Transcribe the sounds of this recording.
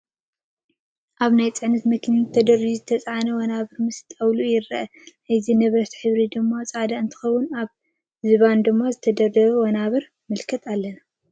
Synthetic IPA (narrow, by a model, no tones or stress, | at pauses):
ʔaβnajt͡sʼɨʕnɐt̪mɐkʰɨnt̪ʰːɐd̪ɐɾiʒizɨt̪ʰɐt͡sʼʕanɐwɔnaβɨɾmɨst̪ʼɐwlujɪɾɐʔɐ | ɨzinɐβɾɐt̪ħɨβɾid̪ɨmːat͡sʼad̪aɨnt̪ʰɨ̥xɐwːʊnaβ | zɨβand̪ɨmːazɨt̪ʰɐd̪ɐɾd̪ɐβɐwɔnaβɨɾ | mɨlkʰɐt̪ʰalːɐna